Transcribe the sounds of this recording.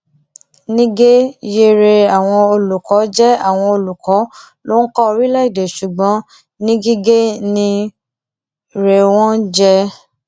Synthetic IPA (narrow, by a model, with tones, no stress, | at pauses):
nĩ˦ɡe˦je˧ɾe˧a˨w̃ɔ̃˧o˧lu˨kɔ˨˦d͡ʒɛ˦a˦˨w̃ɔ̃˧o˧lu˨kɔ˨˦ | lo˦n̩˦kɔ˦o˧ɾi˦la˦i˦˨de˨ʃu˨ɡ͡bɔ̃˨˦ | nĩ˦ɡi˦ɡe˦nĩ˧ | ɾe˨w̃ɔ̃˦d͡ʒɛ˦